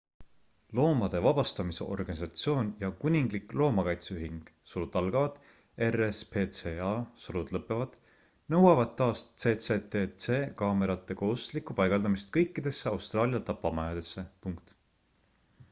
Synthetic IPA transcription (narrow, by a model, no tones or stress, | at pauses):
lo̞ːmɑd̪̥e̞vɑb̥ɑst̪ɑmiseʔo̞̰rɡ̥ɑnʲisɑt̪sio̞ːnjɑkunʲiŋɡliklo̞ːmɑkɑjt̪seyɦiŋɡ̥suɾud̪ɑlɡ̥ɑvɑd̪̥ | e̞respʰe̞seɑsuɾud̪̥lɤpːˑe̞vɑd̪̥ | nɤ̞wɑvɑd̪̥̚t̪ːɑːstse̞ːt̪set̪et̪se̞ːkɑːme̞ɾɑt̪ːˑe̞koːst̪likːˑupɑjɡ̥ɑld̪ɑmist̪̚kɤjkːˑid̪̥e̞sːe̞ɑwst̪rɑːlʲijɑt̪ɑpːˑɑmɑjɑd̪̥e̞sːe̞puŋkt̪